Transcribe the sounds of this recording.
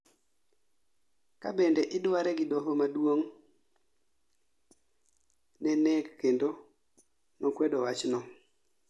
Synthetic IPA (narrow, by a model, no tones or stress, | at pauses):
ka̰bendeʔɪdwaɾɛɡɪdoɦomadwoŋ | nɛnɛkːendo | nɔkwɛdɔwat͡ʃnɔ